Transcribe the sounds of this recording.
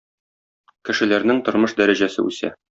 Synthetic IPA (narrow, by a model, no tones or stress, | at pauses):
kɘ̆ʃɘ̆læɾnɘŋt̪ŏɾmɤʃd̪æɾæʑæsɘ̰ʉ̰sæ̰